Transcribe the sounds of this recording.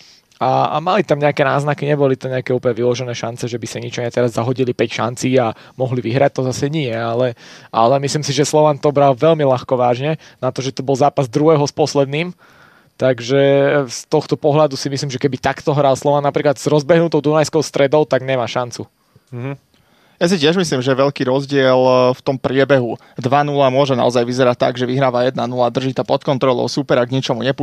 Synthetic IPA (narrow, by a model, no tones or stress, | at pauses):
a̰malit̪amɲɛakɛnaːznakiɲɛbɔlit̪amɲɛakɛuːpəɲɛʋilɔʒɛnɛːʃant͡sɛʒɛbisaɲit͡ʃɔɲɛt̪ɛɾazːaɦɔɟilipɛcʃa̰nt͡siːa | mɔɦliʋiɦɾac̚t̪ɔzasɛɲiɛalɛa̰lɛmisliːmsiʒɛslɔʋant̪ɔbɾalʋɛʎmilaxkɔʋaːʒɲɛ | nat̪ɔʒɛt̪ɔbɔlˠzaːpazd̪ɾuɦɛːɦɔspɔslɛd̪niːm | t̪aɡʒɛst̪ɔxt̪ɔpɔɦlad̪usimisliːmʒɛkɛbit̪akt̪ɔɦɾalslˠɔʋanːapɾiːklad̪z̥ɾɔzbɛɦnut̪ɔʊd̪unajskɔʊst̪ɾɛd̪ɔʊt̪aɡɲɛmaːʃant͡su | m̩ɦ̩ | jas̬icɪɛʒmisliːmʒɛʋɛʎkiːɾɔzɟɪɛlft̪ɔmpɾɪɛbɛɦu | d̪ʋanulamʊɔʒɛna̰ɔzajʋizɛɾat̚t̪ːa̰ɡʒɛʋiɦɾaːʋajɛd̪nanulad̪r̩ʒiːt̪apɔt̪kɔnt̪ɾɔlɔ̰ʊsupɛɾaɡɲit͡ʃɔmuɲɛpu